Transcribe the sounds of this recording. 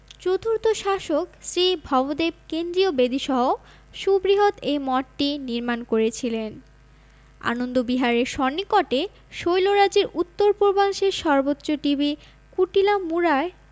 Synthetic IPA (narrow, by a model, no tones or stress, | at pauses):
t͡ɕot̪ʰuɾt̪oʃaʃoksɾibʱɔbod̪eb̚kend̪ɾiobed̪iʃɔɦo | ʃubɾiɦot̪ejmɔʈʈiniɾmankoɾet͡ɕʰilen | a̰nond̪obiɦaɾeɾʃɔnːikɔʈe | ʃojloɾad͡ʑeɾut̪ːoɾpoɾbʱaŋʃeɾʃɔɾbotːoʈibi | kuʈilamuɾae